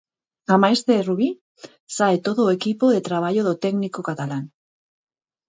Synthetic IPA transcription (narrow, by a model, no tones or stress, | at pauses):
amajst̪e̞ruβ̞i | saet̪o̞ðoekipoðe̞t̪ɾaβ̞aʝoðot̪e̞knikokat̪alan